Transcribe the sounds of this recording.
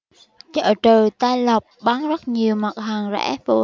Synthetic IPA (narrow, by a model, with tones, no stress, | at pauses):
t͡ɕə̰ː˧˨t͡ɕɨː˨˩t̪aː˧jlə˨˩wk͡p̚ɓa˨˦ŋzə˦˥t̚ɲi˨˩əwma˨˩t̚ɦaː˨˩ŋzɛ̰˧˥vṵ˧˩